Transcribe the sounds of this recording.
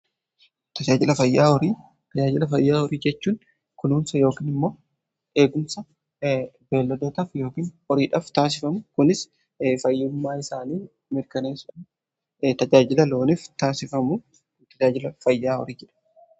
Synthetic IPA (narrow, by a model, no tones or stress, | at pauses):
t̪ɐd͡ʒaːd͡ʒɪlɐfɐjːaːɔɾiː | t̪ɐd͡ʒaːd͡ʒɪlɐfɐjːaːɔɾiːd͡ʒɛt͡ʃːuːn | kʊnuːmsɐjo̞ːkiːnɪmːo̞ː | e̞ːɡʊmsɐ | be̞ːlːɐd̪eːt̪ɐfjo̞ːkiːn | ɔɾiːᶑɐft̪aːs̬ɪfɐmʊkʊnɪs | fɐjːʊmːaːɪsaːniː | mɪɾkɐneːsʊᶑɐ | t̪ɐd͡ʒaːd͡ʒɪlɐlo̞ːnɪft̪aːsɪfɐmʊ | t̪ɐd͡ʒaːd͡ʒɪlɐfɐjːaːɔ̰ɾiːd͡ʒɛᶑɐ̥